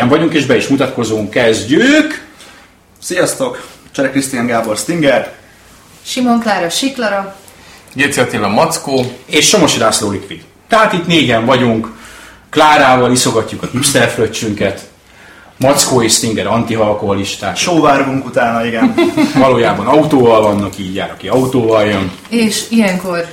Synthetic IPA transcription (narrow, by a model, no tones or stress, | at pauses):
ɛɱvɒɟuŋkeːʒbɛiʃmut̪ɒt̪ko̞zuŋkːɛzɟyk | sijɒst̪o̞kt͡ʃɛɾɛkrist̪ijaŋɡaːborst̪iŋɡɛr | ʃimo̞ŋklaːɾɒʃiklɒɾɒ | ɟeːt̪seɛt̪elɒmɒt̪skoːeːʃːo̞mo̞ʃid̪aːsloːlikʋid̪ | t̪ɛɦaːt̪it̪neːɟɛɱvɒɟuŋk | kːlaːɾaːvɒliso̞ɡɒcːukɒhipsɛlfløt͡ʃːyŋkɛt̪ | mɒt̪skoːeːʃst̪iŋɡɛɾɒnt̪iɦɒlko̞ɦɒliʃt̪aːʃoːvaːrɡuŋkut̪aːnɒiɡɛnvɒloːjaːbɒnɒut̪oːvɒlvɒnːɒkiːɟja̰ːɾɒkiɒut̪oːvɒljøn | eːʃijɛŋko̞r